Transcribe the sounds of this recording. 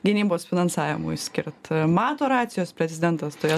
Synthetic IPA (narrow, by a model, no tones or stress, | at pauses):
ɡʲɪnʲiːboːsfʲɪnɐnsɑːʋʲɪmʊ̰sʲkʲɪɾt̪mɑːt̪oːɾɑːt̪sʲɪjoːspʲɾʲɛzʲɪd̪ʲɛnt̪ɐst̪oːjɛ